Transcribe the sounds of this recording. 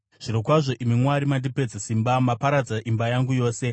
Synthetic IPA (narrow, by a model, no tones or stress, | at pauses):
ʐ̥iɾokwaʐo̞ʔimimwaɾimandipe̞d͡zesimbamapaɾad͡zaʔimbajaŋɡujo̞ːse̞